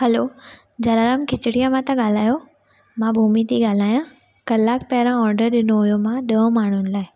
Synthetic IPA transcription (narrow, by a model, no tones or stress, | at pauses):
hɐloː | d͡ʑɐlaːɾaːmkʰɪt͡ɕɪɽijãmãt̪ɐɠaːl̤aːjo | mãbʱuːmit̪ʰiɠaːl̤aːjã | kɐlːaːkpɛːɾãɔːɾɖəɾɗɪnoɦʊjomãɗə̃ːmaːɳ̤ʊnɪ̆laːɪ